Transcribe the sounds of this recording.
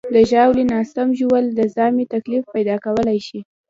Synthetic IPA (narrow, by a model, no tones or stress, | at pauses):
d̪əʒɑwlinɑsamʒuwəld̪əzɑmit̪aklifpajd̪ɑkawəlajʃi